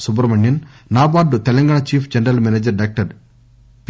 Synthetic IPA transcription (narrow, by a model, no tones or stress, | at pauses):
subɐɾmɐɳjɐn | naːbaːɖut̪ɛlɐŋɡaːɳat͡ʃiːpʰd͡ʒɐnɾɐlmened͡ʒɐɾɖaːk̚ʈɐɾ | p